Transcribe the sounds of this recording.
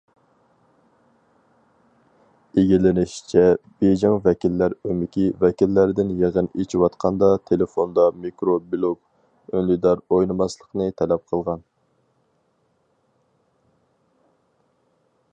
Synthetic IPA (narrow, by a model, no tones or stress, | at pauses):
eɡʲilɪnɪʃt͡ʃʰɛb̥ed͡ʒɪŋvɛkʲilːæɾømɪkʲivɛkʲilːæɾɪd̪ɪnjeʁənet͡ʃʰiwɑt̪qʰɑnd̪ɑt̪ʰelefond̪ɑmikɾobilˠup̚ | ønlid̪ɑɾojnɨmɑslˠəqnɨt̪ʰɛlɛp̚qʰəlˠʁɑn